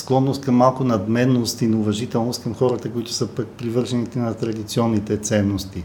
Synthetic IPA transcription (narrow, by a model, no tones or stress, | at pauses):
sklˠɔnːost̪̚kɐmːalˠkʊnɐd̪mɛnːost̪inɐʊvɐʒit̪ɛlˠnost̪̚kɐmxɔɾət̪əkoʊit̪ʊ̥səpɐk̚pɾivɤɾʒɛnit̪ɛnɐt̪ɾɐd̪it̪siɔnːit̪ɛt̪sɛnːost̪i